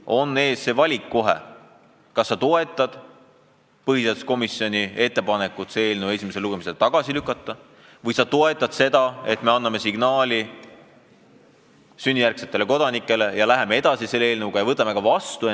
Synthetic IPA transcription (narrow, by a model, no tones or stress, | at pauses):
o̞nːe̞ːsːe̞vɑlʲikːo̞ɦḛ | kɑsːɑt̪o̞e̞t̪ˑːɑd̪̥ | pɤɦiset̪sko̞misjo̞nʲie̞t̪ːe̞pɑne̞kːˑut̪see̞ːlnəwe̞sʲimese̞luɡ̥e̞mise̞lt̪ɑɡ̥ɑsilykːˑɑt̪ˑːɑ | vɤjsɑt̪o̞e̞t̪ˑːɑd̪̥se̞d̪̥ɑe̞t̪me̞ɑnːɑme̞siɡ̥nɑːlʲi | synʲːijærkse̞̥t̪ːˑele̞ko̞d̪̥ɑnikːˑe̞le̞jɑlæɦe̞mee̞d̪̥ɑsise̞lːeeːlnuɡ̥ɑjɑvɤt̪ːˑɑme̞kɑvɑst̪ue